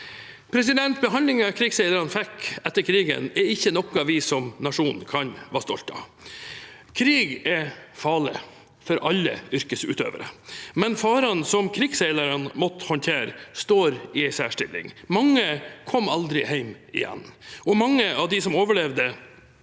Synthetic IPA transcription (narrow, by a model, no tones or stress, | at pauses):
pʰɾɛs̬ɪd̪ɛnt̪̚bəɦɑnd̪lɪŋɑkʰɾiːɡsɛɪləɾɑnfɛkɛt̪ːəɾkʰɾiːɡə̰nɛɾɪçːənɔkːɑʋɪsɔmnɑʂuːnkʰɑnʋɑːst̪ɔlt̪ɑ̰ | kʰɾiːɡɛfɑːɭɪ | fɔɾʔɑlːə̰ʏɾkəsʉ̰ːt̪ø̰ːʋəɾə̰mɛnfɑːɾɑnsɔmkʰɾiːɡsɛɪləɾənmɔt̪əhɔnt̪ʰeːɾst̪oːɾɪæɪsæːʂʈɪlːɪ̰ŋmɑŋːəkʰɔmːɑld̪ɾɪhæɪm | ɪ̰jɛ̰nːɔmɑŋːəʔɑʋd̪ɪsɔmoːʋəɭɛʋd̪ə